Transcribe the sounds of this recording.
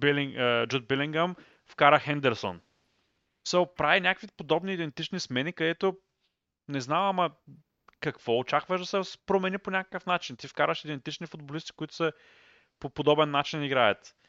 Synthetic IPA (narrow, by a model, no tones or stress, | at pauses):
biliŋəd͡ʒud̪̚biliŋɡɐm | fkaɾəxɛnd̪ɛɾso̰n | sopɾavinʲakəkvipod̪ɔbniːd̪ɛnt̪it͡ʃnismɛnikɐd̪ɛt̪o | nɛznamɐmɐ | kɐkv̥ɔot͡ʃakvəʃd̪ɐsɛspɾomɛniponʲakə̥kəfnat͡ʃint̪ifkaɾəʃid̪ɛnt̪it͡ʃnifʊd̪̚bolist̪i̥kʊit̪ʊ̥sɛ | popod̪ɔbɛnːat͡ʃiniɡɾajət̪